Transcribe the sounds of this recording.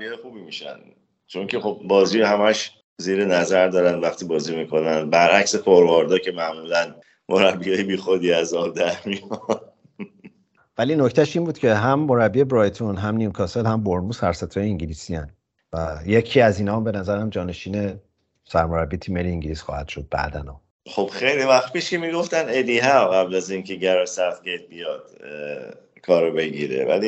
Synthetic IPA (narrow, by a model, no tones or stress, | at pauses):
iɛexuːbimiʃæ̰n | t͡ʃʰo̞ŋcʰe̞xo̞b̚bɒːziːhæmæʃ | ziːɾenæzæɾd̪ɒːɾænd̪væχt̪ʰiːbɒːzimiːkʰo̞nænd̪bæɾʔæcsefʰoɾvoɾd̪ɒːcʰe̞mæʔmuːlæn | moɾæbːiɒːjebiːxod̪iːæzɒːb̚d̪æɾmijɒn | væliːno̞ct̪ʰæʃiːnbuːd̪cʰe̞ɦæmːo̞ɾæbːie̞bɾɒjt̪ʰonɦæmnimkʰɒːselhæmboɾmuːsæɾsæt̪ʰːɒːjeiŋɲɟilisiæn | væje̞cʰiːæziːnɒːmbe̞næzæɾæmd͡ʒɒːne̞ʃiːne̞ | sæɾmoɾæbiːt̪ʰiːmeliiŋɟiliːsxɒːhæ̰d̪̥ʃod̪̥̚bæ̰d̪æ̰nɒ̰ː | χob̥xejlivæxt̪piʃcemiːɡoft̪æned̪iːɦæɣæblæziːncʰeɟæɾɔsæχt̪ɡet̪̚bijɒd̪̥ | kʰɒːɾobe̞ɟḭɾḛvæ̰li